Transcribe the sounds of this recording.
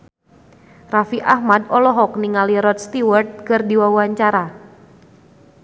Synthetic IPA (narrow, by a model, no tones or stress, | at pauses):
rafiʔahmad̪ɔlɔɦɔk̚niŋaliɾɔt̪̚st̪iwərt̪̚kərdiwawaɲt͡ʃaɾa